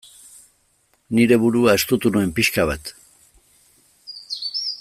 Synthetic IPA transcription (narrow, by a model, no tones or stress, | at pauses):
niɾe̞βuɾuae̞st̪ut̪unue̞mpiʃkaβat̪